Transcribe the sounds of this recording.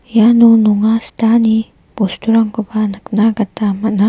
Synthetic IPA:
janunuŋast̪ani | ɡust̪uɾaŋkubanaknaɡat̪amana

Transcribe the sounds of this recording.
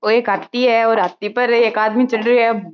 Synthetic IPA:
oeːkɦat̪ːiɦɛɔːɾat̪ipɐɾeːkaːd̪mit͡ʃɐɖɾiɦɛ

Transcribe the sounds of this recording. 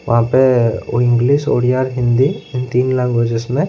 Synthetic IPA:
ʋɐ̰ɦãpeɪ̃ŋɡliːʃo̰ːɽijaːɾɦɪ̃nd̪iɪnt̪iːnlãɡed͡ʒəsmẽ

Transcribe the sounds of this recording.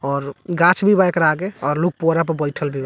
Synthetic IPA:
ɔːɾɡat͡ʃʰbʱibajkəɾaɡeɔːɾluk̚poɾap̬əɾbəlʈʰəlbʱiba

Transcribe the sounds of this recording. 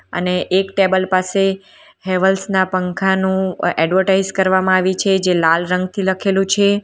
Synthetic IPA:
ə̰neʔːkʈebəlpase | ɦeʋəlsnapəŋkʰanũɛɖʋəʈaid͡ʒkəɾʋamãaʋĩt͡ʃʰed͡ʒelalɾə̃ŋɡt̪ʰiləkʰelũt͡ʃʰe

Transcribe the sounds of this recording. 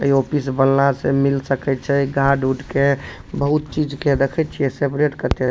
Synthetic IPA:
ə̰iopʰisbəlnasemilsəkɛt̪t͡ʃʰɛɡʱaɖuɖke | bəɦut̪̚t͡ʃid͡ʒked̪ekʰɛt̪̚t͡ʃʰiesepɾeʈkət̪e

